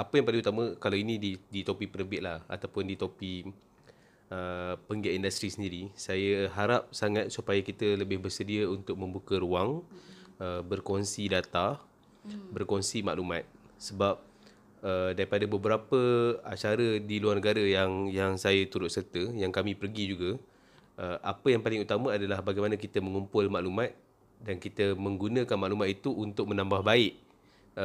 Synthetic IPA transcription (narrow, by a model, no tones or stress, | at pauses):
apəjaŋpalɪŋut̪amə̃kalawinĩdidit̪opipəɾəbɪʔ̪̚laha̰t̪awpʊndit̪opi | əpəŋɡɛʔindast̪ɾisəndiɾisajəɦaɾap̚saŋat̪̚supajakit̪ələbɪhbərsədiəunt̪ʊk̚mə̃mbukəɾuaŋ | əbərkɔnsidat̪a | bərkɔnsima̰ʔlumãt̪̚səbap̚ | ədaɾipadabəbəɾapəat͡ʃaɾədiluarnəɡaɾajaŋjaŋsajat̪uɾʊt̪̚sərt̪əjaŋkamĩpərɡid͡ʒuɡa | ʔəʔapəjaŋpalɪŋut̪amə̃adalahbaɡajmanəkit̪əməŋumpʊlmaʔlumãt̪̚ | dankit̪əmə̃ŋɡunə̃kanmaʔlumat̪̚it̪uʔːnt̪ʊk̚mənãmbahbaɪʔ